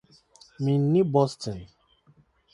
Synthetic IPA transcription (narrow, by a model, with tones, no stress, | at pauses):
mĩ˨n˦nĩ˦bɔ˦stɔ˨n